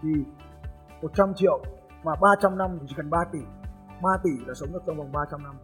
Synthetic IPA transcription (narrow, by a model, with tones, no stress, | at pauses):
t̪ʰi˨˩ | mo˨˩t̚t͡ɕa˧mt͡ɕḭ˧˨ə˨w | maː˨˩ɓaː˧t͡ɕa˧mna˧mt̪i˨˩t͡ɕi˧˩kə˨˩nɓaː˧t̪i˧˩˦ | ɓaː˧t̪i˧˩laː˨˩sə˨˦wŋ͡mɗɨ˦˩ək̚a˧ŋ͡mva˨˩wŋ͡mɓaː˧t͡ɕa˧mna˧m